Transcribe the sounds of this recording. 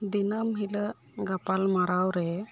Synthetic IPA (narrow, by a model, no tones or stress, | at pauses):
d̪inəmɦilə | ɡapalmaɾawɾɛ